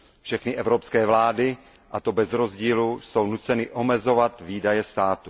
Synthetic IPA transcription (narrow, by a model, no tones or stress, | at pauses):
fʃɛxnɪʔɛvɾopskɛːvlaːdɪ | ʔat̪o̞bɛzɾo̞zɟiːlusownut͡sɛnɪʔomɛzo̞vat̪viːdajɛst̪aːt̪u